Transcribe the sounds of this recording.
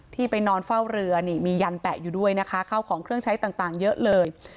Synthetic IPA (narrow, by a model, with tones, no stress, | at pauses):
t̪ʰiː˥˩pa˧jnɔː˧nfa˥˩wɾɯ˧ɐniː˥˩miː˧ja˧npɛː˨˩k̚juː˨˩du˥˩əjna˦˥kʰa˦˥kʰa˥˩wkʰɔː˩˦ŋkʰɾɯ˥˩əŋt͡ɕʰa˦˥jt̪aː˨˩ŋt̪aː˨˩ŋjɤ˦˥ʔlɤː˧j